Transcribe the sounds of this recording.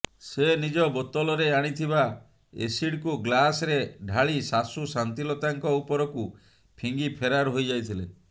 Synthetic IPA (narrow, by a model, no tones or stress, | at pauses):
senid͡ʒɔbɔt̪ɔlɔɾeaɽ̃it̪ʰiβa | ḛsiɽkuɡlasɾeɖʱaɭisasusant̪ilɔt̪aŋkɔupɔɾɔku | pʰiŋɡipʰeɾaɾɦojd͡ʒajt̪ʰile